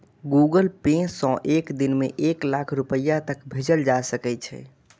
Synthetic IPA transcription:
ɡuɡəlpẽsɔ̃ʔekd̪inmḛʔeklakʰɾupəjːat̪əkbʱed͡ʒəld͡ʒasəkɛt͡ʃʰɛ̰

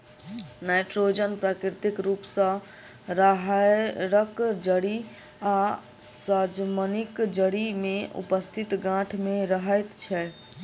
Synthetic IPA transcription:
najʈɾod͡ʒənpɾakɾɾit̪ikɾupsə̃ | ɾəɦɾəkd͡ʒəɽi | a | səd͡ʒmənikd͡ʒəɽimeṵpəst̪ʰit̪ɡãʈʰmeɾəɦɛt̪t͡ʃʰɛ

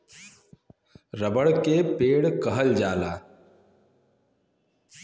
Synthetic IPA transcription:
ɾəbəɽkepeːɽkɐɦəld͡ʒaːlaː

